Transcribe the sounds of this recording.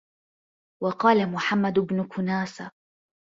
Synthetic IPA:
wɑqɑːlamʊħamːad̪bnʊkʰʊnaːsa

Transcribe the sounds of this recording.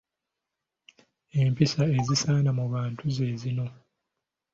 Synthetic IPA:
e̞ːmpisae̞zisaːnamuβaːntuze̞ːzino̞

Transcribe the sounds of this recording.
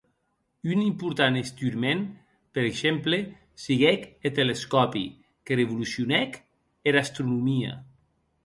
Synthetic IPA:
ynimpuɾt̪anest̪yɾmen | peɾekʃemple | siɣɛket̪eleskɔpḭ | kereβulusjunɛk | eɾast̪ɾunumia̰

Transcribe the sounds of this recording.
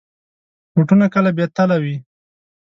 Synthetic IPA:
muʈunakəlabjat̪alawi

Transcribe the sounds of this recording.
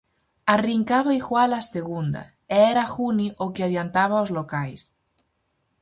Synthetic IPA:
ariŋkaβaixwalaseɣ̞und̪a̰ | eeɾaxuniʔokeaðjant̪aβ̞aozlokajs

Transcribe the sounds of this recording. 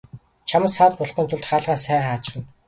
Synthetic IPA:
t͡ɕʰamə̆saːt̪pʊɮχə̆nt̪ʰʊɮt̪χaːɮʁaːsæːχaːt͡ɕɪ̆χə̆n

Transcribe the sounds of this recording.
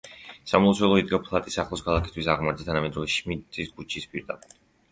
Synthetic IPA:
samɔt̪sʰwɛlˠɔid̪ɡapʰlˠat̪ʼisaχlˠɔskʰalˠakʰist̪ʰwisaʁmaɾd̪it̪ʰanamɛd̪ɾɔlɛʃmit̪ʼiskʼut͡ʃʰispʼiɾd̪a̰pʼɛd̪̥

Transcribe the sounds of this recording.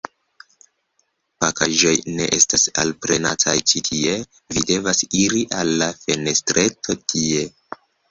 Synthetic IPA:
pakaʒo̞jne̞̰ʔe̞stasa̰lpɾe̞natʰa̰jt͡ʃitʰie̞ | vide̞vasiɾiʔalːafe̞ne̞stɾe̞tʰo̞tʰie̞

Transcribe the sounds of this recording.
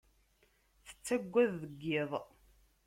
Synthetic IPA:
θə̥t͡sːæɡʷːæðːəɡːɪðˤ

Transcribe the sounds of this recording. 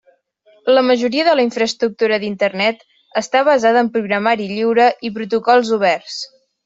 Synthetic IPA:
ləməʒuɾiəðələiɱfɾəst̪ɾuk̚t̪uɾəðint̪ərnɛt̪ | əst̪aβ̞əzaðəmpɾuɣɾəmaɾiʎiwɾəʔip̬ɾut̪ukɔlˠzuβ̞ɛrs

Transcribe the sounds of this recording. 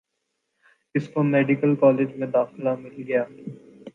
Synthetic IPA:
ɪskomeːɖɪkəlkɔːleːd͡ʒmẽd̪aːxɪlamɪlɡɐjaː

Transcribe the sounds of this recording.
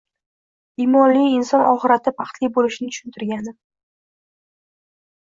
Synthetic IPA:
iːmɒnlijɪnsɒnɒχɨɾat̪ʰɪpʰɑχt̪lijbolɪʃnɪt̪ʰʊ̥ʃʊnt̪ʰɪɾɡʲanɪ

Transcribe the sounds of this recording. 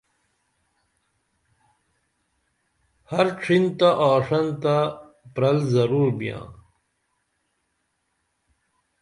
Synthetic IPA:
hɐɾʈ͡ʂʰint̪aʔaːʂɐnt̪a | pɾɐlzɐɾuːɾbijã̰ː

